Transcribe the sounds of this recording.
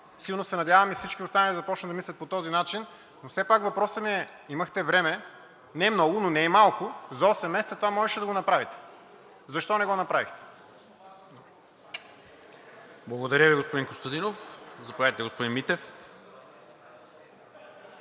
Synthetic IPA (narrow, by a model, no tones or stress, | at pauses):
silˠnosɛnɐd̪ʲjavɐmifsit͡ʃkiost̪anəid̪zɐpɔt͡ʃnt̪d̪ɐmislʲɐt̪̚pot̪ɔzinat͡ʃin | nofsɛpakvɐpɾɔsəmiɛ | imɐxt̪ɛvɾɛmɛ | nɛmnɔɡʊnonɛːmalˠkʊzɔsɛmːɛsɛt̪sət̪ovamɔʒɛʃɛd̪ɐɡonɐpɾavit̪ɛ̥ | zɐʃt̪ɔnɛɡɔnɐpɾavḭxt̪ɛ̥ | blˠɐɡod̪ɐɾjəviɡospod̪iŋkost̪ɐd̪inofzɐpovʲjat̪it̪ɛɡospod̪inmit̪ɛf